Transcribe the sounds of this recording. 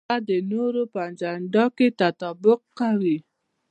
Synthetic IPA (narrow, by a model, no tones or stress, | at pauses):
adɪnoɾupand͡ʒan̩dɔkɪtatɔbʊkaɾi